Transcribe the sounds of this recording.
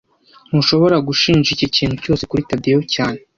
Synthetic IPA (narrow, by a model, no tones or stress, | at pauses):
n̥uʃo̞βo̞ɾaɡuʃiːnʒiciciːn̥uco̞ːsekuɾitabdiejocaːne